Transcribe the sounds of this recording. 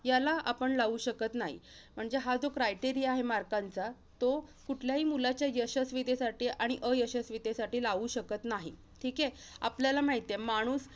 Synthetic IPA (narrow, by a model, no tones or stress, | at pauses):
jalaʔapəɳlaʋuːɕəkət̪naɦḭm̤əɳd͡zeɦad͡zokɾajʈiɾiaɦemaɾkant͡sa | t̪okuʈʰljaɦiːmulat͡ɕjajəɕəsʋit̪esaʈiːʔaɽ̃iʔəjəɕəsʋit̪esaʈiːlaʋuːɕəkət̪naɦḭ | ʈʰiːke | a̰pljalamaɦit̪jemaɽ̃uːs